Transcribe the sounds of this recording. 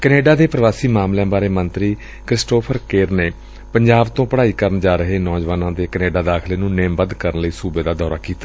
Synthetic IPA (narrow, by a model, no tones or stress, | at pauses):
kəneːɖaːd̪eːpɾəʋaːsiːmaːmljɛ̃ːbaːɾeːmənt̪ɾiː | kɾɪsʈoːpʰəɾkeːɾneː | pəɲd͡ʒaːbt̪õːpəɽaːiːkəɾənd͡ʒaːɾəɦeːnɔːd͡ʒʋaːnãːd̪eːkəneːɖaːd̪aːkʰleːnũːneːmbəd̪kəɾənləiːsuːbeːd̪aːd̪ɔːɾaːkiːt̪aː